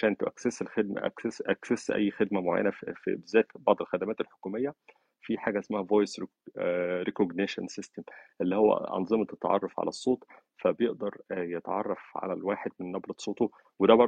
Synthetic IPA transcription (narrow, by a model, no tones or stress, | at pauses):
ʃæːt̪oʔækseselxed̪̚mæ̰ʔʔæksesʔæ̰jːxed̪mæmoʕa̰jːæ̰næfbezːæːt̪bɑʕd̪ˤelxæd̪æmæːt̪elħo̥kuːmejːæ | fiħaːɡæesmæhævojsɾ | ɾekoɡneʃænsest̪emʔelːihowːæ̰ʔɑ̰nzˤɨmt̪et̪ʕɑ̰rˤːɑfʕa̰læsˤːoːt̪ˤ | fæbejeʔd̪ɑɾˤjet̪ʕɑ̰rˤːɑfʕa̰lælwaːħed̪̚menːɑbɾɑt̪sˤːoːt̪u | wed̪æbɑɾˤ